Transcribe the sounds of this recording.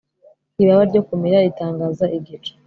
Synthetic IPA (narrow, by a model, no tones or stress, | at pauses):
kiβaβaɾɟo̞kumiɾaitaːŋɡaːzaiɡit͡ʃe̥